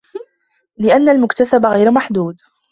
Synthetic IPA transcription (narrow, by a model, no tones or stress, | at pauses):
lɪʔanːalmʊkt̪asabaɣajɾmaħd̪uːd̪